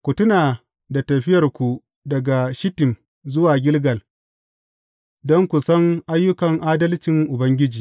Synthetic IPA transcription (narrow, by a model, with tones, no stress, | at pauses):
kʷu˨tʊ˦naː˨ | da˨tɐ˨ɸɪ˦jɐ˨rkʷu˨ | dɐ˨ɡa˨ʃɪ˦tɪ˨m | zʊ˦waː˨ɡʲɪ˦lɡɐ˨l | dɔ˦ŋkʷu˨sɐ˦ŋʔa˦jːʊ˦kɐ˨ŋʔaː˦dɐ˦lt͡ʃɪ˨ŋʔʊ˨bɐ˦ŋɡʲɪ˦d͡ʒiː˨